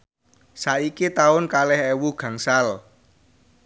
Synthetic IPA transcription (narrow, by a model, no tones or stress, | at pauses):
saʔikit̪aʊnkalɛhɛwuɡ̥ä̤ŋsal